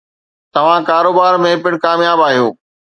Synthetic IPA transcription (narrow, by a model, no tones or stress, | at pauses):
t̪ɐʋ̤ãkaːɾoːbaːɾmẽpɪɽ̃kaːmjaːbaːɦijoː